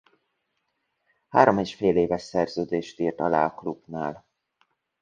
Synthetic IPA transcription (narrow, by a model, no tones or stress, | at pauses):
haːɾomeːʃfeːleːvɛʃsɛrzøːd̪eːʃt̪iːrt̪ɒla̰ːɒklubnaːl